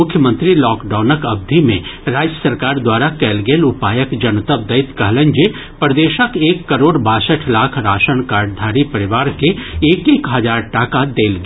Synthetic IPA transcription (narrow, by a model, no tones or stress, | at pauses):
ʊkʰjəmə̃nt̪ɾilɔːkɖaːnəkɐb̚d̪ʱimẽɾaːd͡ʒjəsəɾkaːɾd̪waːɾakɛːlɡeːlʊpaːjəkd͡ʒɐnt̪əb̚d̪ɐɪt̪kɐɦlə̃nd͡ʒe | pɾəd̪eːʃəkeːkːəɾoːɖbaːsəʈʰlaːkʰɾaːʃənkaːɾɖ̚d̪ʱaːɾipɐɾɪʋaːɾkeeːkeːkɦɐd͡ʒaːɾʈaːkad̪eːlɡ